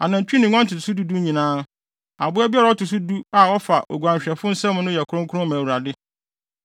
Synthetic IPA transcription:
a˨nã˨t͡ɕᶣi˦nɪ̃˨ŋʷ˦ã˦n˦tʰʊ˨tʰsu˦du˦du˦ɲĩ˨nãː˦ | a˨bʊ˦ɛ˦bɪ˦ɛ˦ɾa˨˦ɔ˦tʊ˨s̬u˦du˦a˨ɔ˦fa˨ʔo̰˨ɡʷã˨ɲ˨ɕᶣɛ˨fʊ˦n̩˦sɛ̃˦m˦nʊ̃˦jɛ˨kʰʊ˦ɾʊ̃˦ŋkʰʊ˦ʊ̃˦mã˨wu˨ɾa˨dɪ˦

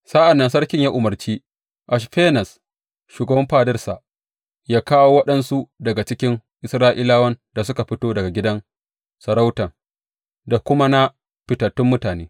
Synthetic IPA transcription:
sa˦ʔa˨nːɐ˦ns̬ɐ˦rkʲɪ˦ɲjaː˦ʔʊ˨mɐ˨rt͡ʃiː˦ | ʔa˨ʃɸeː˦nɐ˨s | ʃuː˨ɡɐ˨bɐ˦mɸaː˦dɐ˦rsa˨ʔ | jaː˦kaː˦woː˦wɐ˦ɗɐ˦nsu˦dɐ˨ɡa˨t͡ʃɪ˦kʲɪ˦ŋʔɪ˨sɾaː˦ʔɪ˦laː˦wɐ˦nda˨sʊ˦ka˨ɸɪ˦toː˦dɐ˨ɡa˨ɡʲɪ˦dɐ˦n | sɐ˨ɾa˦wtɐ˨ŋ | da˨kʷʊ˦ma˦na˦ | ɸɪ˨tɐ˨tːʊ˦mːʊ˦taː˨neː˦

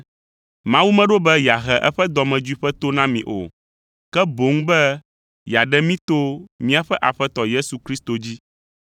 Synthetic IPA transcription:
mã˦wu˦mɛ̃˦ɖo˦bɛ˦ja˨ɦɛ˨ʔɛ˦ɸɛ˦d̪ɔ˨mɛ̃˨d͡ʒu˦i˦ɸɛ˦t̪o˦nã˦mĩ˨ʔo̰˨ | kɛ˦bo˨˦ŋ˦bɛ˦ | ja˨ɖɛ˦mĩ˦t̪o˦mĩ˦a˨ɸɛ˦ʔa˨ɸɛ˦t̪ɔ˨je˦su˨kɾi˦st̪o˨d͡ʑi˦

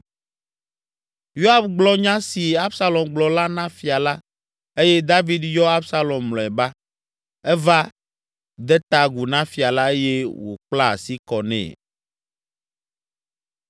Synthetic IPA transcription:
jo˦a˦bɡ͡blɔ˦ɲã˦si˨a˦bsa˦lɔ˨mɡ͡blɔ˨la˦nã˦fi˨a˨la˦ | e˦jɛ˦d̪a˦vi˦d̪jɔ˦a˦bsa˦lɔ˨mːlɔ̃˨ɛ˨ba˦ | ɛ˦va˦ | d̪ɛ˦t̪a˨ɡu˨nã˦fi˨a˨la˦e˦je˦wo̰˨k͡pla˦a̰˨si˦kɔ˨nɛ̰̃˨

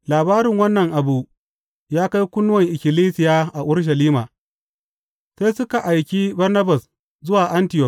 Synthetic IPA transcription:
laː˨baː˦ɾɪ˨ŋwɐ˦nːɐ˨ŋʔa˨buː˨ʔ | jaː˦ka˦jkʷʊ˦nːʊ˦wɐ˨ŋʔɪ˨kʲɪ˨liː˦sɪ˨jaː˦ʔa˨ʔʊ˦ɽʃ̬ɐ˨liː˦maː˨ | sa˦jsʊ˦ka˨ʔa˨jkʲi˦bɐ˦rnɐ˦ba˨s | zʊ˦waː˨ʔa˦ntɪ˨jɔ˦˨k

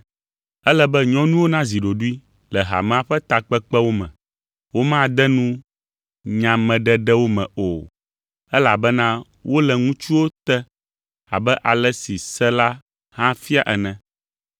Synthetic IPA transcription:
ɛ˦lɛ˦bɛ˦ɲɔ̃˦nũ˦wo˦nã˦zi˨ɖo˨ɖu˦i˦ | lɛ˨ɦa̰˨mɛ̃˨˦a˨ɸɛ˦t̪a˨k͡pɛ˦k͡pɛ˦wo˦mɛ̰̃˨ | wo˦mã˦˨d̪ɛ˦nũ˦ | ɲã˨mɛ̃˨ɖɛ˦ɖɛ˦wo˦mɛ̰̃˨o˨ | ɛ˦la˨bɛ˦nã˦ | wo˦lɛ˨ŋũ˦t͡ʃu˦wo˦t̪ɛ˦ | a̰˨bɛ˦ʔa˨lɛ˦si˨sɛ˦la˦ | hã˦fi˦a˦ʔɛ˨nɛ̃˨

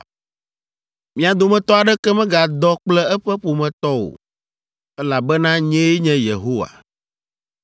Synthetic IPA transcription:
mĩ˨a˨d̪o˨mɛ̃˨t̪ɔ˦a˨ɖɛ˦kɛ˦mɛ̃˦ɡa˨d̪ɔ˦k͡plɛ˦ɛ˦ɸɛ˦ɸo˨mɛ̃˨t̪ɔ˦wo̰˨ | ɛ˦la˨bɛ˦nã˦ɲɛ̃˦je˦ɲɛ̃˦jḛ˨ɦo˦wa̰˨

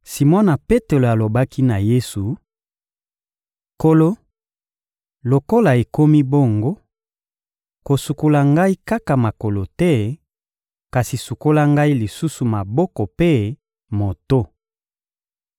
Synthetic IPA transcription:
si˨mɔ˦na˨pe˦te˨lo˨a˨lo˨ba˦ki˦na˨je˦su˨ | ko˨lo˦ | lo˨ko˦la˨e˨ko˦mi˦bo˦˨ŋɡo˦ | ko˨su˨ko˨la˨ŋɡa˦i˦ka˦ka˨ma˨ko˨lo˨tɛ˦ | ka˨si˨su˨ko˦la˦ŋɡa˦i˦li˨su˦su˨ma˨bɔ˦kɔ˨pe˦ | mo˨to˦

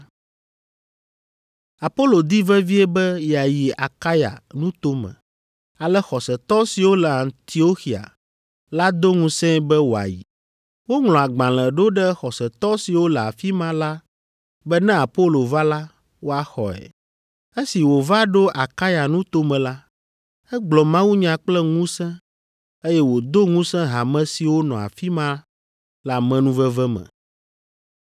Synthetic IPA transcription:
a˨po˦lo˨d̪i˦vɛ˦vi˦ɛ˦bɛ˦ja˨ji˨a˨ka˦ja̰˨nũ˦t̪o˦mɛ̰̃˨ | a˨lɛ˦xɔ˨sɛ˨t̪ɔ˦si˨wo˦lɛ˨ã˨nt̪i˨˦o˦xi˨a̰˨ | la˦d̪o˦ŋũ˦sɛ̃˦bɛ˦wo˨a̰˨jḭ˨ | wo˦ŋl̃ɔ̃˨a˨ɡ͡bã˨l̃ɛ̃˨ɖo˦ɖɛ˦xɔ˨sɛ˨t̪ɔ˦si˨wo˦lɛ˨a̰˨fi˦mã˦la˦ | bɛ˦nɛ̃˦a˨po˦lo˨va˦la˦ | wo˦a˨xɔ̰˨ɛ̰˨ | e˦si˨wo˨va˦ɖo˦ʔa˨ka˦ja˨nũ˦t̪o˦mɛ̃˨la˦ | ɛ˦ɡ͡blɔ˨mã˦wu˦ɲã˨k͡plɛ˦ŋũ˦sɛ̃˦ | e˦jɛ˦wo˨d̪o˦ŋũ˦sɛ̃˦ɦa˨mɛ̃˦si˨wo˦nɔ̃˨a̰˨fi˦mã˦ | la˨mɛ̃˦nũ˦vɛ˦vɛ˦mɛ̰̃˨

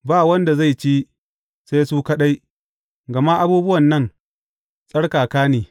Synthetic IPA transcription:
baː˦wɐ˦nda˨za˦˨t͡ʃi˦ | sa˦jsuː˦kɐ˦ɗa˦j | ɡɐ˨ma˦ʔa˦buː˦bʊ˦wɐ˨nːɐ˦˨ŋ | sʼɐ˦ɽkaː˨kaː˦niː˨

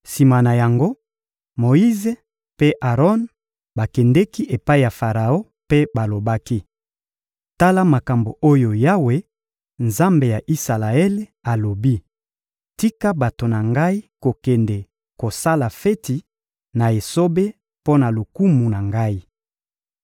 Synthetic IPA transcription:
si˨ma˨na˨ja˨ŋɡo˦ | mo˨i˦ze˦ | pe˦ʔa˨ʁɔ˦n | ba˨kɛ˨ndɛ˦ki˦ʔe˨pa˦i˨ja˨fa˨ʁa˨o˦ | pe˦ba˨lo˨ba˦ki˦ | ta˦la˦ma˨ka˨mbo˨o˦jo˨ja˦we˦ | nza˦mbe˨ja˨ʔi˦sa˨la˨ɛ˦le˦a˨lo˨bi˦ | ti˦ka˦ba˨to˨na˨ŋɡa˦i˦ko˨kɛ˨ndɛ˨ | ko˨sa˦la˨fe˦ti˨ | na˨e˨so˦be˦ | po˦na˨lu˨ku˦mu˨na˨ŋɡa˦i˦

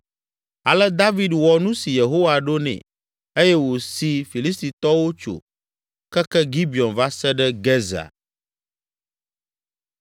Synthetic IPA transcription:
a˨lɛ˦d̪a˦vi˨dwɔ˨nũ˦si˨je˨ɦo˦wa˨ɖo˦nɛ̰̃˨ | e˦jɛ˦wo˨si˨fi˨li˦st̪i˨t̪ɔ˦wo˦t͡ʃo̰˨ | kɛ˦kɛ˦ɡi˦bi˨ɔ˨nva˦sɛ˦ɖɛ˦ɡɛ˦za̰˨

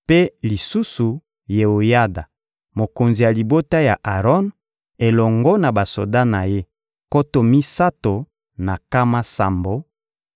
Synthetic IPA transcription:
pe˦li˨su˦su˨ | je˨o˨ja˦da˨ | mo˨ko˨nzi˨ja˨li˨bo˦ta˦ja˨ʔa˨ʁɔ˦n | e˨lɔ˨ŋɡɔ˦na˨ba˨so̰˨da˦na˨je˦ | ko˦to˨mi˦sa˦to˨ | na˨ka˦ma˦sa̰˨mbo˨

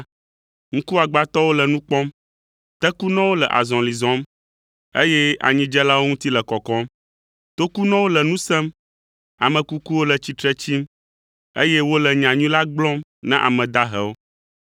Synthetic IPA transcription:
ŋ̩˦ku˦a˨ɡ͡ba˨t̪ɔ˦wo˦lə˨nũ˦k͡pɔ̃˦m | t̪ɛ˦ku˦nɔ̃˦wo˦lɛ˨ʔa̰˨zɔ̃˨li˨zɔ̃˦m | e˦jɛ˦a̰˨ɲĩ˦d͡ʒɛ˦la˦wo˦ŋũ˦t̪i˦lɛ˨kɔ˨kɔ˦m | t̪o˦ku˦nɔ̃˦wo˦lɛ˨nũ˦sɛ̃˦m | a˨mə̃˨ku˦ku˦wo˦lə˨t͡ɕi˨t̪ɾɛ˦t͡ɕi˦m | ḛ˦jɛ˦wo˦lɛ˨ɲã˨ɲũ˦la˦ɡ͡blɔ̃˦mnã̰˦ʔa̰˨mɛ̃˨d̪a˦ɦɛ̰˨wo˦

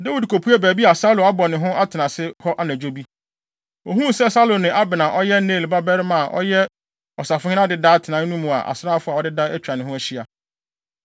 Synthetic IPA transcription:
da˦wi˨dkʰo˨pʰu˦æ˦bæː˨bi˦a˨sa˦lõ˨a˦bɔ˨nɪ̃˨ɦʊ̃˦ʔa˦tʰɪ˨nã˨sɪ˦hɔ˦ʔa˦næ̃˨d͡ʑᶣo˦bi˦ | ɔ˨ɦũ˦sɛ˦sa˦lo˨nɪ̃˨ʔa˦bɪ˨nã˨ʔɔ˦jɛ˦neː˦˨lba˦bɛ˦ɾɪ˦mã˨ʔɔ̰˦jɛ˦ | ɔ˨sa˨fʊ˦ɪ̃˦ã˦dɪ˨da˦tʰɪ˨nã˨˦nũ˦mũ˨a̰˨ʔa̰˨sɾaː˦˨fʊ˦a˨ɔ˨˦dɪ˦dã˦æ˦t͡ɕʰᶣɾa˨nɪ̃˨ɦʊ̃˦æ˦ɕi˦a˨

